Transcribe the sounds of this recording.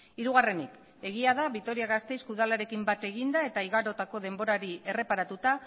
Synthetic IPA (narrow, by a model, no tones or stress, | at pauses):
iɾuɣare̞nik | e̞ɣ̞iaðaβit̪o̞ɾiaɣast̪e̞jskuðalaɾe̞kimbat̪e̞ɣ̞ind̪ae̞t̪aiɣaɾo̞t̪ako̞ðe̞mbo̞ɾaɾie̞re̞paɾat̪ut̪a